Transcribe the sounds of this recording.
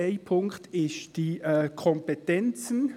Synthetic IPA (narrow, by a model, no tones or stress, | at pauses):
eɪpʰʊŋktɪsd̥iːɛkʰɔmpetɛnt͡sn̩